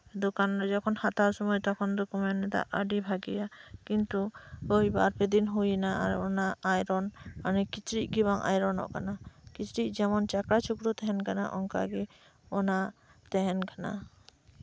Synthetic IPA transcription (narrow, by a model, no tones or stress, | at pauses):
d̪ɔkanɾɔd͡ʒɔkʰɔnhat̪aɾsɔmɔjt̪ɔkʰɔnd̪ukumɛnɛt̪a̰ʔəɖibʱaɡɛjakint̪uojbaɾpɛd̪inɦujnaa̰ɾɔnaajɾɔnanɛkit͡ʃɾiʔ̚ˀɡiβaŋʔa̰jɾɔnɔ̰ʔkanakit͡ʃɾiʔ̚d͡ʒɛmɔnt͡ʃakɾat͡ʃʰukɾut̪ɛɦɛnkana̰ʔɔŋka̰ɡɛ | ɔna | t̪ɛɦɛnkana̰